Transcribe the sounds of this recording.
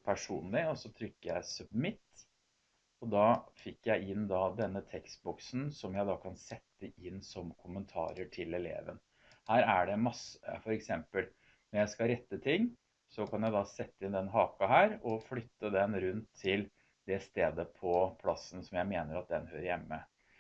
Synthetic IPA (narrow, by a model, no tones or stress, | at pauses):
pʰæʂṵːnlɪɔsɔt̪ʰɾʏkːəjæɪsʉbmɪt̪ː | ɔd̪ɑːfɪkːjæɪɪnd̪ɑd̪ɛnːət̪ʰɛkst̪̚bɔksn̩sɔmjæɪd̪ɑːkʰɑnsɛt̪ːəɪnːsɔmkʰʊmːənt̪ʰɑ̰ːɾəʈʰɪlɛlḛːʋə̰n | hæːɾæɖɛmɑsəfɔɾɛksɛmpəl | nɔjæɪskɑɾɛt̪ːət̪ʰɪŋː | sɔkʰɑnjæɪd̪ɑsɛt̪ːəɪnd̪ɛnɦɑːkɑɦæːɾɔflʏt̪ːəd̪ɛnɾʉnt̪ʰːɪl | d̪ɛst̪eːd̪əpʰɔpʰlɑsən̩sɔmjæɪmeːnəɾɑt̪̚d̪ɛnhøːɾəjɛmːə